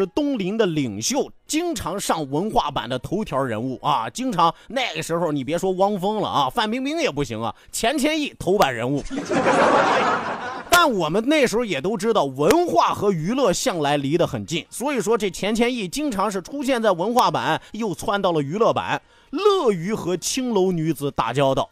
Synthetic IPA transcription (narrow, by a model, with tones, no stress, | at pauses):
ɻ̩˥˩˧t̪ʊ˥ŋli˧˥nd̪ə˧li˨˩ŋɕjo˥˩ʊt͡ɕi˥ŋʈ͡ʂʰɑ˧˥ŋʂɑ˥˩ŋwə˧˥nxwa̰˥˩pa̰˨˩nd̪ə˦t̪ʰo˧˥ʊt̪ʰjɑ˧˥ɻə̰˧˥nu˥˩ʔɐ̰˧t͡ɕi˥ŋʈ͡ʂʰɑ˧˥ŋna˥˩ɪɡə˩ʂɻ̩˧˥xo˧ʊni˨˩pjɛ˧˥ʂwɔ˥wɑ˥ŋfɤ˥ŋlə̰˨ɐ˧fa˥˩npi˥ŋpi˥ŋjɛ˨˩pu˥˩ɕi˧˥ŋɐ̰˧˩t͡ɕʰjɛ˧˥nt͡ɕʰjɛ˥ni˥˩t̪ʰo˧˥ʊpa˨˩nɻə˧˥nu˥˩ | t̪a˥˩nwɔ˨˩mə˦nne˥˩ɪʂɻ̩˧˥xo˧jɛ˨˩t̪o˥ʊʈ͡ʂɻ̩˥d̪ɑ˥˩ʊwə˧˥nxwa˥˩xɤ˧˥y˧˥lɤ˥˧ɕjɑ˥˩ŋla˧˥ɪli˧˥d̪ə˧xə˨˩nt͡ɕi˥˩nswɔ˧˥i˨˩ʂ̬wɔ˥ʈ͡ʂɤ˥˩t͡ɕʰjɛ˧˥nt͡ɕʰjɛ˥ni˥˩t͡ɕi˥ŋʈ͡ʂʰɑ˧˥ŋʂ̬ɻ̩˥˩ʈ͡ʂʰu˥ɕ̬jɛ˥˧nt͡sa˥˩ɪwə˧˥nxwa˥˩pa̰˨˩˦njo˥˧ʊt͡sʰwa˥˧nt̪ɑ˥˩ʊlə˩y˧˥lɤ˥˩pa̰˨˩˦n | lɤ˥˩y˧˥xɤ˧˥t͡ɕʰi˥ŋlo˧˥ʊny˧˥d͡zɹ̩˨˧˩t̪a̰˨˩t͡ɕjɑ˥ʊd̪ə̰˩